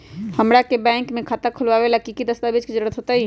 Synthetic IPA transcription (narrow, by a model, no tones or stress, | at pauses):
həmɾakebɛ̃ŋkmẽkʰat̪əɾkʰəlʋaʋelakikid̪əst̪abid͡ʒked͡ʒəɾɽət̪ɦot̪əi